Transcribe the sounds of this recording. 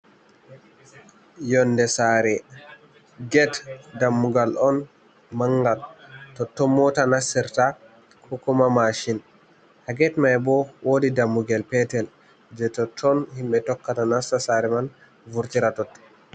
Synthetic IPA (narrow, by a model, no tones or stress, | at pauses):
jɔndɛsaɾɛ | ɡɛtdamːuɡalɔn | maŋɡaltɔtːɔnːɔtanasːiɾta | kʰɔkɔmamaʃin | haɡɛtmajɛbɔwodidamːuɡalpɛtɛl | d͡ʒɛtɔtʰːɔnhimɓɛtɔkːatanasasaɾɛman | vuɾtiɾatɔt